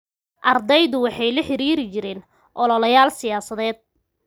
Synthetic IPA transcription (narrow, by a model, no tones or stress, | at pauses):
ʔɐrd̪ɛjðʊwɑħɑjlɐħɪɾiːɾɪt͡ʃɪɾɪːn | ʔɔlɔlɐjaːlsɪjaːsɐðɛːd̪̚